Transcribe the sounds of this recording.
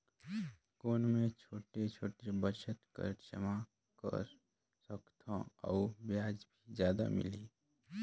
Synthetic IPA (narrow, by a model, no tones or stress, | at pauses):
koːnmẽt͡ʃʰoːʈet͡ʃʰoːʈebəɾʃət̪kə̰ɾt͡ʃʰə̰ma | kə̰ɾ | səkt̪ʰõ̰a̰ubjaːd͡ʒbʱizjaːd̪a̰mɪ̰liː